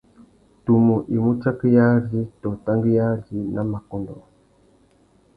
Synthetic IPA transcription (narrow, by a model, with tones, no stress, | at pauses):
tu˨mu˨ʔi˨mu˦t͡ʃa˦ki˦ja˦zi˦tɔ˨ta˦ŋɡi˦ja˦zi˦na˦ma˨kɔ˦ndɔ˨